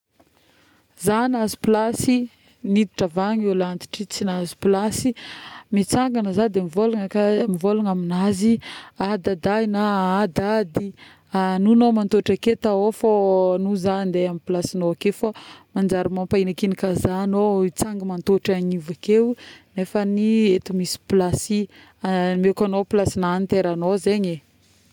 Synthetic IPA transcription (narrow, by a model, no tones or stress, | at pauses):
zanazi̥plasi | nid̪iʈ͡ʂavaɲelant̪i̥ʈ͡ʂit͡sinazi̥plasimit͡saŋɡanəzad̪eamivolaŋəkamivolaŋaminaziad̪ad̪ajnaad̪ad̪i | anunomant̪oʈ͡ʂaket̪aofonuzand̪eamiplasinoakefamand͡ʒaɾimampainakinikazanoit͡saŋɡəmant̪oʈ͡ʂaɲivakewnefəniet̪umisi̥plasi | amekanoplasinanint̪eɾanozeɲe